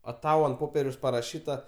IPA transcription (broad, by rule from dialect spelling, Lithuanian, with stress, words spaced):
ɐ ˈtɐʊ ɐnt ˈpoːpʲiɛrʲɛʊs pɐrɐˈʃʲiːtɐ